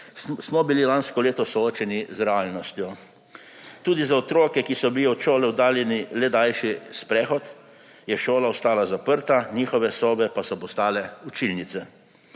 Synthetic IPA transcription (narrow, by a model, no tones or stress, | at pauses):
smɔbililanskɔleːt̪ɔsɔoːt͡ʃɛnizɾɛaːlnɔst̪jɔ | t̪uːd̪izaɔt̪ɾoːkɛkisɔbiliɔt͡ʃoːlɛwd̪aːljɛnilɛd̪ajʃispɾɛːxɔt̪ | jɛʃoːlaɔst̪aːlazapəɾt̪anʲiːxɔʋɛsoːbɛpasɔpɔst̪aːlɛut͡ʃilnit̪sɛ